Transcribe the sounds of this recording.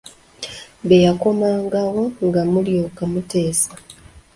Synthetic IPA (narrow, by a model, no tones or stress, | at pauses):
βejakomaːŋɡawo̞ŋɡamuljokamute̞ːsa